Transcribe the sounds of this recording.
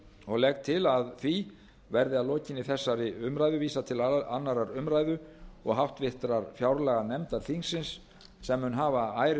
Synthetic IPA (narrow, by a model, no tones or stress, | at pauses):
ɔɣlɛkt̪ʰɪlaðθvi | vɛɾðɪaðlɔːcɪnːɪθɛsːaɾɪʏmɾajðʏviːsat̪ʰɪlaa̰nːaɾaɾʏmɾajðʏɔɣɦawht̪vɪht̪ɾaɾ̥fjawɾlɛɣanɛmt̪aɾθiŋsːɪnsː | ɛmːʏnɦaːvaaːjɾ